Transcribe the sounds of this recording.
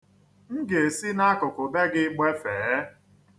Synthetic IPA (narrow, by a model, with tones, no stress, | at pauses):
n̩˦ɡe˨e˨si˦na˦kʊ˨kʊ˨be˦ɡɪ˦k͡pe˦fe˨˦